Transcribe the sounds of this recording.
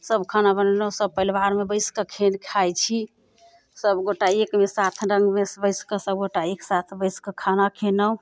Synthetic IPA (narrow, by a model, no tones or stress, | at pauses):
səbkʰanabənnəwsəb̚pəilwaɾmebəjskəkʰenkʰajt͡ʃʰi | səbɡoʈaekmesat̪ʰɾəŋɡmesbəjskəsəb̚ɡoʈaeksat̪ʰbəjskəkʰanakʰenə̃